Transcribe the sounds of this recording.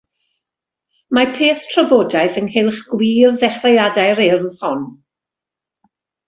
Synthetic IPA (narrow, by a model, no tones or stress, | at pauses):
mapʰeːθtʰrɔvoːdaɨθənhɪlˠχɡ̥wiːrðɛχlajadaɨɾɪrð̥hɔn